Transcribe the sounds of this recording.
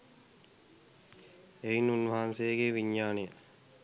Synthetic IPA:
einunʋɐɦansejəɡeːʋiɲːaːnejə

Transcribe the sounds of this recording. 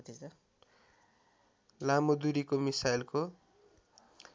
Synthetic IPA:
t̪i | lamod̪uɾikomisajlko

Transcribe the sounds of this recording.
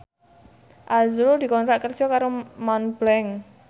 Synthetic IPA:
ʔazuɾud̪̥i̤kɔnt̪ɾaʔkərd̥ʒ̥ɔ̤kaɾomanb̥lɛŋ

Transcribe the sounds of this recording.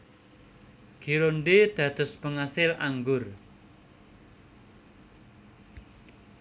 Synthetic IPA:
ɡ̥iɾoɳɖed̪̥ä̤d̪̥ʊ̤spəŋasɪla̰ŋɡʊr

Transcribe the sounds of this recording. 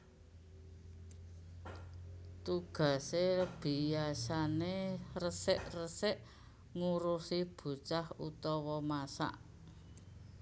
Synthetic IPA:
t̪uɡ̥a̤seb̥i̤asanerəsɪʔrəsɪʔ | ŋuɾusib̥ṳt͡ʃahut̪ɔwɔmasa̰ʔ

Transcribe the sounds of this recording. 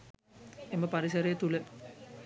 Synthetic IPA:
eməpaɾisɐɾejət̪ulə

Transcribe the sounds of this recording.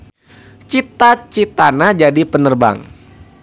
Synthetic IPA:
t͡ʃit̪at͡ʃit̪anad͡ʒadipənərba̰ŋ

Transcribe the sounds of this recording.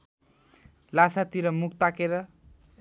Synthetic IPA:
lasat̪iɾʌmuk̚ʰt̪akeɾʌ

